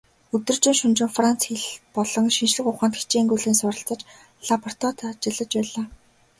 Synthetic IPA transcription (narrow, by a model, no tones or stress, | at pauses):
ɵt̪ɵ̆rt͡ɕɪ̆ŋʃɵnt͡ɕɪ̆ŋfran̥t͡sxiɮpɔɮɞ̆ŋʃinʃɮɘ̆χʊχaːnt̪xi̥xʰt͡ɕeːŋɡujɮeːnsʊɾə̆ɬt͡sə̆t͡ɕ | ɮapɔr̥t̪ɔt̪ʰat͡ɕɪ̆ɮə̆t͡ɕpæːɮaː